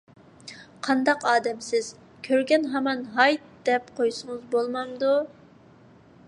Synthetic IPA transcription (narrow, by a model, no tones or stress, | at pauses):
qʰɑnd̪ɑqɑːd̪ɛmsɪz̥ | kʲʰøɾɡʲɛnɦɛmɑnɦɑjt̪̚d̪̥ɛpqʰojsʊŋɨzbolˠmɑmd̪u